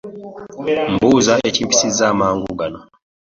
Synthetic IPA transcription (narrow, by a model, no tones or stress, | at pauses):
m̩buːzaecipi̥sizaːmaːŋɡuɡano